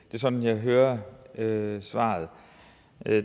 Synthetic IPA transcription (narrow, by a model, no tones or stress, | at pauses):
d̥e̝sɒ̽d̥n̩jɑ̈ɪɦøːɐøsʋɑ̰̈ːð̩ˠ